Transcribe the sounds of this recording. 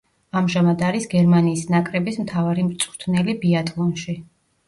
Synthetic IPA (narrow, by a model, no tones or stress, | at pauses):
amʒamad̪aɾisɡɛɾmaniːsnakʼɾɛbismt̪ʰavaɾimɾt̪sʼχt̪ʰnɛlibiat̪ʼlˠɔnʃi